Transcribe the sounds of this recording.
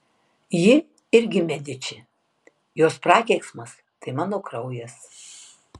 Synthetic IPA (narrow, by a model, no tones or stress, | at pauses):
jɪ | ɪɾʲɡʲɪmʲæd̪ʲɪt͡ʃʲɪ | joːspɾɑːkʲɛɪksmɐs | t̪ɐɪmɑːnoːkɾɐʊjɛs